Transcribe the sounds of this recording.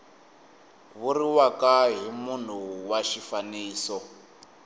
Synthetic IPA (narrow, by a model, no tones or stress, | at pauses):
βuriwakaɦimun̤uwaʃifaniːsɔ